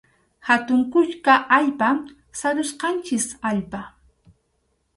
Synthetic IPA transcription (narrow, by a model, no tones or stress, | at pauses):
hat̪ʊŋkʊt͡ʃkaʔaʎpam | saɾʊsqɑnt͡ʃɪsaʎpa